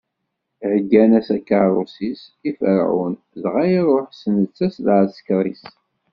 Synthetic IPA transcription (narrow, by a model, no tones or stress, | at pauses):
ʕəɡːænæsækːaɾˤosisifə̰ɾ̰ʕʊ̰n | zʁajiɾˤoħsənət͡sːæsðʕsə̥kɾˤis